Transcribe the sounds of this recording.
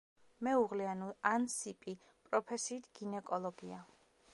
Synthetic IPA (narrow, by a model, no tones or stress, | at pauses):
mɛuʁlɛanɔansipʼi | pʼɾɔpʰɛsiːt̪ʰɡ̥inɛkʼɔlˠɔɡia